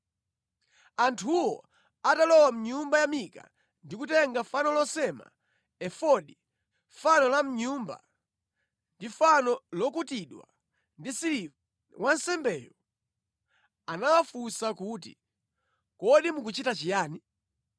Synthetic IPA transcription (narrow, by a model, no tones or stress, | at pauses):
antʰuwɔ | atalɔwam̩ɲumbajamika̰ | ndikutɛŋɡafanɔlɔsɛma̰ | ɛfɔɗi | fanɔlam̩ɲumba̰ | ndifanɔlɔkutiɗwa̰ | ndisiɾi | wansɛmbɛjɔ | anawafusakut̬ḭ | kɔɗimukut͡ʃitat͡ʃijaːni